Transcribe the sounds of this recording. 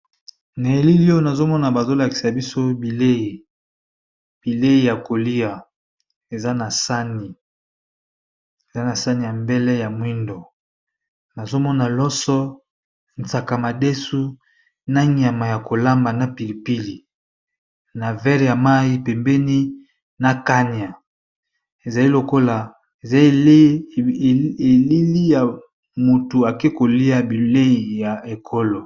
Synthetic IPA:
na˨e˨li˦li˦o˦na˨zo˦mɔ˦na˨ba˨zo˦la˨ki̥˨sa˨bi˦so˦bi˨le˦i˨ | b̥i˨le˦ji˨ja˨ko˨li˦a˨ | e˨za˦na˨sa˦ni˨ | e˨za˦na˨sa˦ni˨ja˨mbɛ˦lɛ˦ja˨mwi˦ndo˨ | na˨zo˦mɔ˦na˨lɔ˦sɔ˦ | n˨t͡sa˨ka˨ma˨de˦su˦ | na˦ɲa˨ma˨ja˨ko˨la˦mba˨na˨pi˨li˨pi˦li˨ | na˨vɛ˦ʁja˨ma˦i˦pe˨mbɛ˦ni˦ | na˨ka˦ni˨a˨ | e˨za˨li˦lo˨ko˦la˨ | e˨za˨i˦˨˦ | e˨li˦li˦ja˨ | mu˨tu˨a˨ke˦ko˨li˦a˨bi˨le˦i˨ja˨e˨kʰo˦lo˨

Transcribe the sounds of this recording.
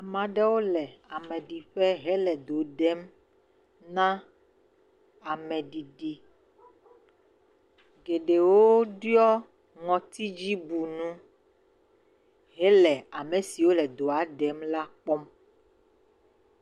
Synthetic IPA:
mã˨ɖɛ˦wo˦lɛ˨a˨mɛ̃˨ɖi˨ɸɛ˦ɦɛ˦lɛ˨d̪o˨ɖɛ˦m | nã˦ | a˨mɛ̃˨ɖi˨ɖi˨ | ɡe˨ɖe˨wo˦ɖjɔ˦ | ŋɔ̃˨t̪i˦d͡ʑi˦bu˨nũ˦ | ɦɛ˦lɛ˨a˨mẽ˨si˨wo˦lɛ˨d̪o˨a˨ɖɛ˦mla˦k͡pɔ˦m

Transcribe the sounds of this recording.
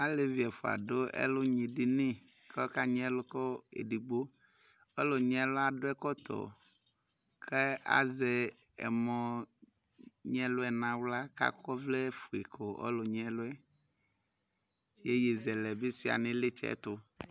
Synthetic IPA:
a˦le˦vi˨ɛ˨fo˨a̰˨ɖo˦ɛ̰˦lʊ˦ɲĩ˨ɖi˦nĩ˦ | kka˦ɲ˦ɛ˦lʊ˦kɔ˦ḛ˨ɖi˨ɡ͡bo˦ | ɔ˦lo˨ɲ˦ɛ˦lʊ˦a˨ɖʊ˦ɛ˦kɔ˦t̪ʰɔ̰˨ | kʰe˦a̰˨ze˨ | ɛ̰˨mɔ̃˨ | ɲɛ̃˦lʊ˦ɛ˨nã˨wla˦ka̰˦kɔ˦vle˦fu˨e˨kʰo˨ʔɔ̰˦lo˨ɲ˨˦ɛ˦lʊ˦ɛ˦ | je˦je˨zɛ˨lɛ˨be˦si˦a̰˨nɪ̃˦lɪ˦t͡ʃɛ̰˦˨˦t̪ʊ˨

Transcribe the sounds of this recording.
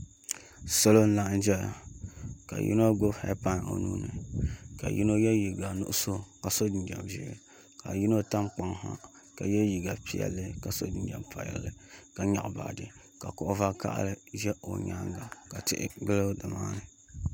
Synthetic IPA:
so˦lo˦n̩˦la˦ʔn̩˦d͡ʒɛ˦˨ka̰˨jḭ˦no˦ɡʊ˦bhɛ̰˦pa˦n˨o̰˨nuː˦nɨ˨ka̰˨ji˦no˦jɛ˦ji˨ɡa˨nʊ̰˦ʔʊ˦so˦ka˨so˦dɪ˨nd͡ʒɛ˨mʒi˨˦ɾɨ˨ | ka̰˨ji˦no˦ta˦mk͡pa˨ŋɦa˦ | ka˨jɛ˦ji˨ɡa˨pi˨jɛ̰˦lːɨ˦ka˨so˦di˨d͡ʒa̰˨mpʰa˨˦ɛ̰˦lːɨ˦ka˨ɲa̰˨ʔba̰ː˨dɨ˨ | ka˨kɔ˨ʔva˦ka̰˦ʔlɨ˦ʒɛ˦o̰˨ɲa˦ŋɡa˨ka˨tɪ˦ʔɪ̰˦ɡ͡bɨ˦lɨ˦dɨ˨maː˦nɨ˨

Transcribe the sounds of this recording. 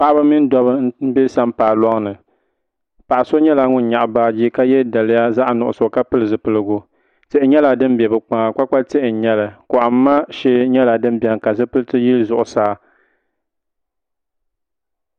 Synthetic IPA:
pa˦ʔa˦ba˦mi˦n˦dɔ˦bɨ˦n˦n̩˦be˦sa˦mpaː˨lɔ˦ŋnɨ˨ | pa˨ʔa˨so˦ɲɛ˦la˦ŋʊ˦n̩˦ɲa˨ʔbaː˦d͡ʒi˦ka˦jɛ˦da˨lɨ˦ja˦za˦ʔnʊ˨ʔʊ̰˨so˨ka˦pɨ˦lɨ˨zɨ˨pɨ˨lɨ˨ɡʊ˨ | tɪ˦˨ʔɪ˦ɲɛ˦la˨dɨ˦m˦bɛ˨bɨ˨k͡pa˨ŋa˨k͡pa˦k͡pa˦te˦ʔɪ˨ɲɛ˦lɨ˨kʊ˨ʔa˨mː˦a˦ʃɛ˦ɲɛ˦la˨dɨ˦n˦bi˨ɛ˨ŋ˨ka˨zɨ˦pɨ˦ɨ˦tɨ˦ji˦lzʊ˨ʔʊ˨saː˦

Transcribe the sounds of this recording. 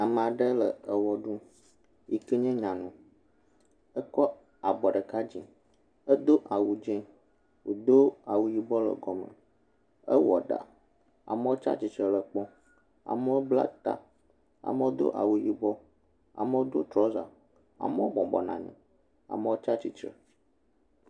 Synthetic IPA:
a˨mə̃˨a˨ɖə˦lə˨ə˨wɔ˦ɖu˦ | ji˨ki˦ɲɛ̃˦ɲã˨nũ˨ | ə˦kɔ˦ | a˨bɔ˨ɖə˨ka˦d͡ʑḭ˨ | ə˦d̪o˦ʔa˨wu˨d͡ʒɛ̃˦ | wo˨d̪o˦a˨wu˦ji˦bɔ˦lə̰˨ɡɔ˨mə̰̃˨ | ə̰˦wɔ̰˨ɖa̰˨ | a̰˨me˦wo˦t͡ʃa̰˦t͡ɕi˨t͡ʃɾɛ˨lə˨k͡pɔ˦ | a̰˨me˦wo˦bla̰˦t̪a̰˦ | a̰˨me˦wo˦d̪o̰˦ʔa˨wu˨ji˦bɔ˦ | a̰˨me˦wo˦d̪o̰˦t̪ɾɔ˦za̰˨ | a̰˨me˦wo˦bɔ̃˨bɔ˨nã̰˨ɲɛ̰̃˨ | a̰˨me˦wo˦t͡ʃa˦t͡ɕi˨t͡ʃɾə̰˨

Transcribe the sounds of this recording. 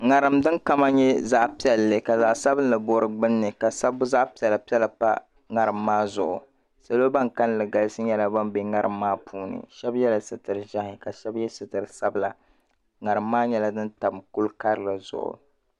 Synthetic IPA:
ŋa˨ɾɨ˨mdɨ˦ŋka˦ma˦ɲɛ˦za˦ʔpi˦ɛ˨lːɨ˨ka˨za˨ʔsa˦bɨ˦n˦lɨ˨bo˦ɾɨ˨ɡ͡bɨ˦nːɨ˨ka˨sa˦bːʊ˦za˦ʔpi˦ɛ˨la˨pi˦ɛ˦lɨ˨pa̰˦ | ŋa˦ɾɨ˨mːaː˦zʊ˨ʔʊ̰˨ | sa˨lo˦ba˦ŋka˦n˦lɨ˨ɡa˨lɨ˦sɨ˦ɲɛ˦la˦ba˦mbe˨ŋa˦ɾɨ˨mːaː˦pʰuː˦nɨ̰˨ʃɛ˦bjɛ˦la˨sɨ˨tɨ˨ɾɨ˨ʒa˦hɪ˨ka˨ʃɛ˦bjɛ˦sɨ˨tɨ˨ɾɨ˨sa˦bla˨ | ŋa˨ɾɨ˨mːaː˦ɲɛ˦la˦dɨ˦nta˨bmku˦lka˦ɾɨ˦˨la˨zʊ̰˨ʔʊ̰˨

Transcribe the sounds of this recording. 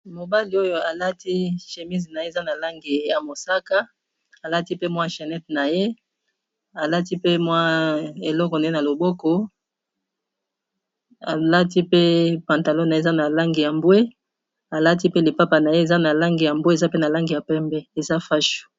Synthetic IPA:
mo˨ba˦li˨o˦jo˦a˨la˦ti˦ʃe˨mi˦zi˨na˨je˦˨za˦na˨la˦ŋɡi˨ja˨mo˨sa˦ka˦ | a˨la˦ti˦pe˦mwa˦ʃe˨nɛ˦tna˨je˦ | a˨la˦ti˦pe˦mwa˦e˨lɔ˦kɔ˨na˨e˦na˨lo˨bɔ˦kɔ˦ | a̰˨la˦ti˦pe˦pã˨nta˨lo˦na˨e˦˨za˦na˨la˦ŋɡi˨ja˨mbwe˦ | a˨la˦ti˦pe˦li˨pa˦pa˨na˨je˦e˨za˦na˨la˦ŋɡi˨ja˨mbwe˦e˨za˦pe˦na˨la˦ŋɡi˨ja˨pɛ˦mbɛ˦e˨za˦fa˦ʃu̥˨

